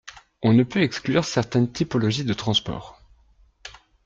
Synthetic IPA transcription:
ɔ̃nəpøɛksklyʁsɛʁt̪ɛnt̪ipɔlɔʒid̪ət̪χɑ̃spɔ̰ːʁ

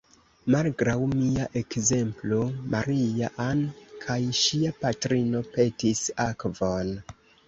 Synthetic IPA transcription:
malɡɾawmiaʔe̞kze̞mplo̞maɾiaʔankʰajʃiapatɾino̞pe̞tisakvo̞n

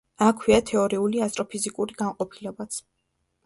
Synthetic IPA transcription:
akʰwiat̪ʰɛɔɾiuliast̪ʼɾɔpʰizikʼuɾiɡ̥aŋqʼɔpʰilɛbat̪sʰ

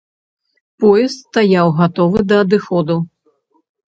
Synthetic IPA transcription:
pɔjɛst̪st̪ajawɣat̪ɔvɨd̪ɐːd̪ɨxɔd̪u

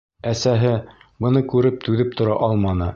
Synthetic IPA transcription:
æsæɦɘ | bɤ̆nɤkʉɾɘp̚t̪ʉðɘp̚t̪ŏɾɑʔɑlˠmɑnɤ

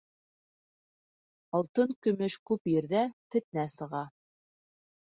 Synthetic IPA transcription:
ɑlˠt̪ɤŋkɵ̆mɘʃkʉpjɘ̆ɾðæfɘ̆t̪næsɤ̆ʁɑ

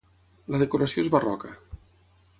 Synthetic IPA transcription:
laðekoɾasjoezβarɔkə

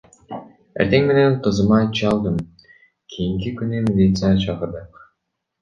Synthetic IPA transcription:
eɾt̪eŋme̞nenqɯzɯmɑt͡ʃʰɯɑlˠd̪ɯm | kʰijiŋkikynymilʲit̪sɨjat͡ʃʰɑqɤɾd̪ɯq

